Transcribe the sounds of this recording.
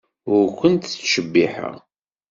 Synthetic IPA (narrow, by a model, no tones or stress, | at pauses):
ʊɾkʷːənt̪θʃəbːiħə̰ʁ